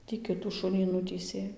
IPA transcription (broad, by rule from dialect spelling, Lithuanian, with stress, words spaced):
tʲiː ˈkʲɪtuː ˈʃʊnʲiː ˈnʊtʲiːsʲeː